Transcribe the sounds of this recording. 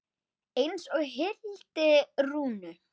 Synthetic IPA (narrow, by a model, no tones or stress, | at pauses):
ejnsɔɣɦɪlt̪ɪruːnʏ